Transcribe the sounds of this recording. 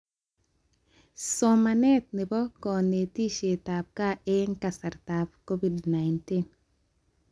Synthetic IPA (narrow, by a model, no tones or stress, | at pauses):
sɔmanɛt̪̚nɪbɔkɔːnetiʃetaːb̚kaʔeŋkasɐɾtaːb̚kobidnajntin